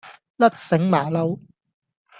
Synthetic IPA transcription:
lɐ˦˥t̚sɪ˨˥ŋmaː˨˩lɐ˧w

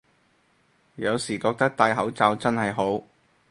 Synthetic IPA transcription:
jɐ˨˧wsiː˨˩kɔː˧k̚t̪ɐ˥k̚t̪aː˧jɦɐ˨˥wt͡saː˧wt͡sɐ˥nhɐ˨jɦo˨˥w

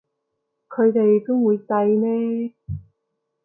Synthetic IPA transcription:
kʰɵ˨˧ɥt̪e˨jt̪ʊ˥ŋwuː˨˧jt̪ɐ˧jmɛː˥

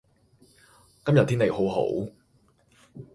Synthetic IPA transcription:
kɐ˥mjɐ˨t̪ʰi˥ne˨jho˨˥wɦo̰˨˥w

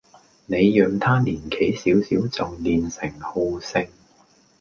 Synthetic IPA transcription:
ne˨˧jːœː˨ŋt̪ʰaː˥liː˨˩nkʰe˨˥jsiː˨˥wsiː˨˥wt͡sɐ˨wliː˨nsɪ˨˩ŋho˧wsɪ˧ŋ

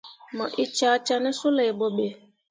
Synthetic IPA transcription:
mɔ˨ʔi˦t͡ʃa˨˦t͡ʃa˦nɛ˦su˦le˨bo˨be˨

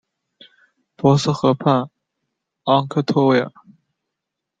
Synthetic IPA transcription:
pwɔ˧˥s̩˥˩xɤ˧˥pʰa˥˩n | ɑ˥ŋkʰɤ˥˧t̪ʰo˥we˥˩ə̰˨˩

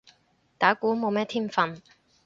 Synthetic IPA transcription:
t̪aː˨˥kuː˨˥mo˨˧wmɛː˥t̪ʰiː˥mfɐ˧˨n

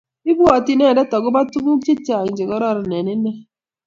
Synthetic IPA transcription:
i˦bu˦ɔ˨ti˦nɛ˦˨dɛ˦tɔ˨ɡʊ˦ba˦tu˦ɡu˦t͡ʃi˦ti˦a˨i˨nd͡ʒe˨ɡɔ˦ɾɔ˦˨ɾɔ˨nɛ˨ne˦nɛ˦

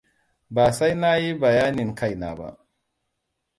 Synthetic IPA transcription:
ba˨sa˦jna˦ji˦ba˨jaː˦ni˨ŋka˦jna̰˨ba̰˦ʔ

